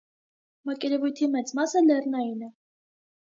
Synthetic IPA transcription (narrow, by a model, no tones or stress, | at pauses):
mɑkɛɾɛvujt̪ʰimɛt͡smɑsəlɛrnɑjinə